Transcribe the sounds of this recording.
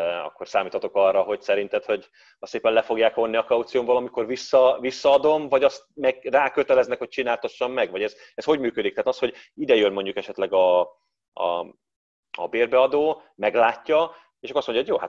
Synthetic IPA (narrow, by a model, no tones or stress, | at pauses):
ɒ̰kːo̞rsaːmiːt̪hʰɒt̪o̞kɒrːɒɦo̞ɟsɛɾint̪ɛt̪ho̞ɟ | ɒseːpɛnlɛfo̞ɡjaːkʋo̞nːiɒkɒut̪sijoːmbolɒmiko̞rvisːɒvisːɒɒd̪o̞mvɒɟɒst̪̚mɛɡraːkøt̪ɛlɛznɛkhoc̚t͡ʃinaːlt̪oʃːɒmːɛɡʋɒɟɛz | ɛsho̞ɟmyːkød̪ikt̪ɛaːt̪ɒst̪ho̞ɟid̪ɛjønmo̞ɲɟukɛʃɛt̪lɛɡɒ | ɒ̰ | ɒ̰beːrbɛɒd̪oːmɛɡlaːcːɒ | eːʃɒkːstmoɲɟɒɦojoːha̰t̪